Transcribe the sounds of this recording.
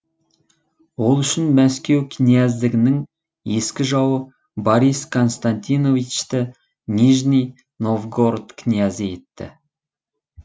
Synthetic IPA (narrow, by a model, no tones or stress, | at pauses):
wo̞lˠʏʃɪnmæskʲe̞wkʲʰɪnijæzd̪ɪɡʲɪnɪŋ | je̞skʲɪʒɑwə | boɾijskʰo̞nst̪ant̪ino̞vit͡ʃt̪ə | nʲiʒnʲij | no̞vɡo̞rt̪kʲʰɪnijazəje̞t̪ːɪ̰